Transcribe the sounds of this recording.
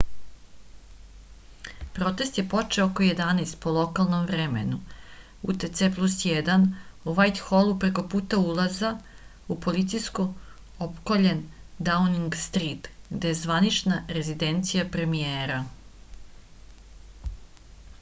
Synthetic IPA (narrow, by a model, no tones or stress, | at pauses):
pɾo̞t̪e̞st̪je̞po̞t͡ʃeookojed̪anest̪̚po̞lˠo̞kalˠnomvɾemḛnu | ṵt̪et̪seplˠusjed̪anuʋajt̪xolˠupɾe̞ko̞puːt̪aulˠaza | upo̞lit̪sijsko | opkoʎe̞nd̪auniŋɡst̪ɾit̪ɡd̪e̞jezʋanit͡ʃnaɾe̞zid̪e̞nt̪sijapɾe̞mijeːɾa